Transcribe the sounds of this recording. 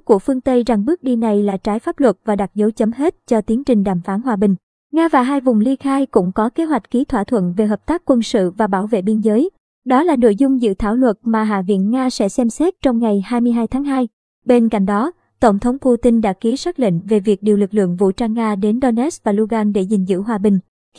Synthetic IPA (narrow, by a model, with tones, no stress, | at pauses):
ku˧˩əfɨ˧əŋt̪ə˧jza˨˩ŋɓɨ˦˥ək̚ɗi˧na˨˩jlaː˨˩t͡ɕaː˨˦jfaː˦˥p̚lwə˨˩t̚vaː˨˩ɗa˨˩t̚zə˨˦wt͡ɕə˨˦mhe˦˥t̚t͡ɕɔ˧t̪i˨˦ənt͡ɕï˨˩ŋɗaː˨˩mfaː˨˦nɦwaː˧ɓï˨˩ŋ̟ | ŋaː˧vaː˨˩ɦaː˧jvʊ˨˩ŋ͡mli˧xaː˧jkʊ̰˧˥ŋ͡mkɔ˨˦ke˨˦ɦwa˨˩jk̟̚ki˨˦t̪ʰwaː˧˩t̪ʰwə̰˧˨nve˨˩ɦəː˨˩p̚t̪aː˦˥kːwə˧nsɨ̰˧˨vaː˨˩ɓaː˧˩wvḛ˧˨ɓi˧nzəː˨˦j | ɗɔ˨˦laː˨˩no̰˧˨jzʊ˧ŋ͡mzɨ̰˧˨t̪ʰaː˧˩wlwə˨˩t̚maː˨˩ɦa̰ː˧˨vḭ˧˥ənŋaː˧sɛ̰˧˥sɛ˧msɛ˦˥t̚t͡ɕɔ˧wŋ͡mŋa˨˩jhaː˧jmɨ˧əɦaː˧jt̪ʰaː˨˦ŋɦaː˧j | ɓe˧nka̰˧˨jŋ̟ɗɔ˨˦ | t̪ə˧˩wŋ͡mt̪ʰə˨˦wŋ͡mpu˧t̪i˧nɗa̰ː˧˥ki˨˦swaː˦˥k̚lḭ˧˨ŋ̟ve˨˩vi˨˩ək̚ɗi˨˩əwlɨ˨˩k̚lɨ̰˧˨əŋvṵ˧˨t͡ɕaː˧ŋːaː˧ɗe˨˦nɗo˧nʔɛ˦˥s̚vaː˨˩lu˧ɣaː˧nɗe˧˩zï˨˩ŋ̟zɨ̰˧˥ɦwaː˧ɓï˨˩ŋ̟